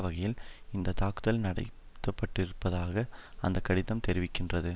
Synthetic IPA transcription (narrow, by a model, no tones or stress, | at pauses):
ʋɐɣɐjɪlɪnd̪ɐt̪aːkɯðɐlnɐɽɐ̰ɪ | t̪ːɐpːɐʈːɪɾɯpːɐðaːɣɐɐnd̪ɐkːɐɽɪðɐmt̪ɛɾɪʋɪkːɪndrɐðɯ